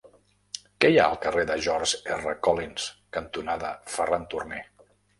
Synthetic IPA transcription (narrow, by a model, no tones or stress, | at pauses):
kɛjaəlˠkəreðəʒɔɾʒɛrəkɔlinskənt̪unaðəfərant̪urne